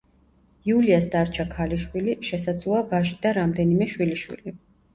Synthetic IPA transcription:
iuliasd̪aɾt͡ʃʰakʰaliʃwiliʃɛsad̪zlˠuavaʒid̪aɾamd̪ɛnimɛʃwiliʃwḭli

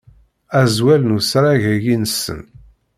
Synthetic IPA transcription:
æzwælnusɾaʝæjinsːə̰n

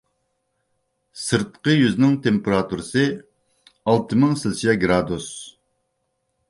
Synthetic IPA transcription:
sɨɾt̪qəjyznɪŋt̪ʰempeɾɑt̪ʰuɾɨsɨ | ɑlˠt̪ʰɨmɪŋsɨlsijɛɡɾɑd̪us

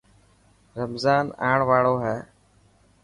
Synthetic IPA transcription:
ɾəmzaːna̰ːɳʋaːɭoːɦɛː

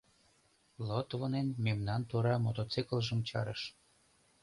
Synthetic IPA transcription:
lot̪vonenmemnɑnt̪oɾɑmot̪ot͡sikəlʒə̆mt͡ɕɑ̰ɾə̰ʃ

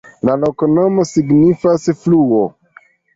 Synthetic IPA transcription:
lalokonomosiɡnifasfluo

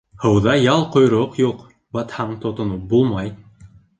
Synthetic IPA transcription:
hɤwðɑjɑlˠqʰojɾoqjoq | bɑt̪hɑɴt̪ʰot̪onup̚bulˠmɑj

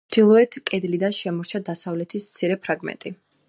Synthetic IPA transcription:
d̪̥ilˠɔɛt̪ʰkʼɛd̪lid̪anʃɛmɔɾt͡ʃʰad̪asavlɛt̪ʰismt̪sʰiɾɛpʰɾaɡmɛ̰nt̪ʼi

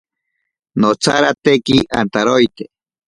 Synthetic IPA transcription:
not͡sʰaɾat̪ekiʔant̪aɾojt̪e

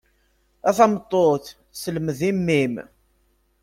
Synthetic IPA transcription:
æθæmt̪ˤːoθ | sələməðimːim

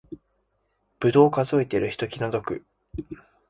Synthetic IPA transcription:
b̥ɯ̟d̪o̞ːkazo̞et̪eɾɯ̟çi̥t̪o̞kʲinod̪o̞kɯ̟

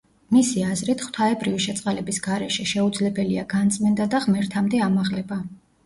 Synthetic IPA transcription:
misiazɾit̪ʰχwt̪ʰaɛbɾiviʃɛt̪sʼqʼalɛbisɡ̥aɾɛʃɛʃɛud̪zlɛbɛliaɡant̪sʼmɛnd̪ad̪aʁmɛɾt̪ʰamd̪ɛamaʁlɛba

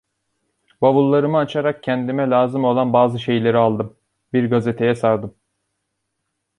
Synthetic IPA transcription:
baβulˠːaɾɯmɯat͡ʃʰaɾak̚cʰɛnd̪imɛlʲaːzɯmo̞lˠanbaːzɯʃe̞jlʲe̞ɾialˠd̪ɯm | biɾɡazet̪ʰe̞jɛsaɾd̪ɯm

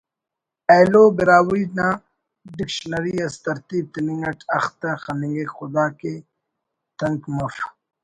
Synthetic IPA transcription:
elobiɾaːwina | ɖikʃnɐɾiɐst̪ɐɾt̪iːb̚t̪ɐniŋɡɐʈʰɐxt̪axaniŋɡexʊd̪aːke | t̪ɐŋkmɐf

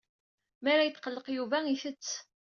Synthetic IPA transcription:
mæɾajəθqəlːəqjuvæiθət͡sː

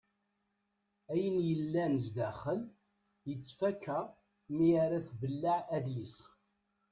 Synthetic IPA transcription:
æjənjəlːænəzd̪æχəl | jət͡sːfækːæ | miaɾæθbəlːaʕæðjis

